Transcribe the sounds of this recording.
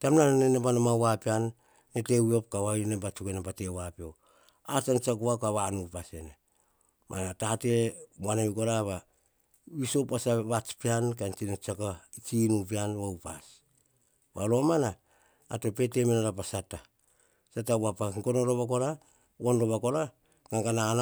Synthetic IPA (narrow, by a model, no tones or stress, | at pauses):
tamnananenebanomawapianː | etewio̞p̚kawainebat͡ʃukenabatewapio | at͡ʃant͡ʃakuakaβanupasene | mʔa̰natate̞manaikoɾaβa | wisopasaβat͡ʃpiankant͡ʃinot͡ʃakait͡ʃinup̬ianβawpas | βalo̞manaː | to̞pe̞te̞menaɾap̬asata | satawapaŋkonoɾoβakola | wonɾoβakola | ŋaŋɡanan